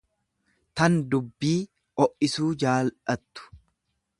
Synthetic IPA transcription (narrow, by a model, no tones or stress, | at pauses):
t̪ɐnd̪ʊbːiː | ʔɔʔɪsuːd͡ʒaːlɐt̪ːʊ̥